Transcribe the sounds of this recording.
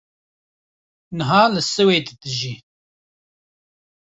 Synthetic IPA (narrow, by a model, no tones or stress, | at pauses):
nɨɦɑːlɨsɨweːd̪ɨd̪ɨʒiː